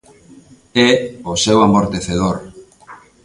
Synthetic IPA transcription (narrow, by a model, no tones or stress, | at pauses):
ɛosewamoɾt̪eθeð̞oɾ